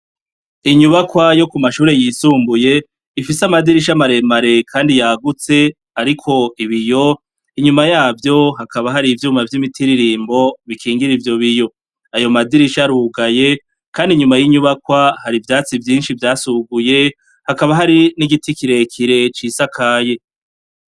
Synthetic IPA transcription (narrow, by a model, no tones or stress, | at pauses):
iɲuβakwajo̞kumaʃuːɾe̞jiːsuːmbuje̞ | ifisamadiɾiʃ̬amaɾe̞maɾe̞kʰaːndijaɡut͡se̞ | aɾikʰo̞iβijo̞ | iɲumajaːvjo̞ɦakʰaβaɦaɾivjuːmavjimitʰiɾiɾiːmbo̞βikʰiːŋɡiɾivjo̞βijo̞ | ajo̞madiɾiʃaɾuːɡaje̞ | kʰaːndiɲumajiɲuβakwahaɾivjaːt͡sivjiːnʃivjaːsuɡuje̞ | hakaβaɦaɾiniɡitikiɾe̞kʰiɾe̞t͡ʃisakʰaːje̞